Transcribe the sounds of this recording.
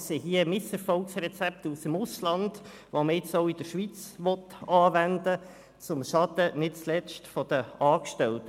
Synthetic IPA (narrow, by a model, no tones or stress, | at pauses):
seɦiəmɪsɛɾfɔlksrɛt͡sɛp̚t̪usɪmʊslɑnd | ʋoməɪt͡sɔʊɪd̥̪əɾʃʋit͡sʋɔtɑːʋændə | t͡sʊmʃɑd̪̥ənɪt̚t͡slɛt͡ʃtfɔd̥̪əɑːkʃtɛlt̪ə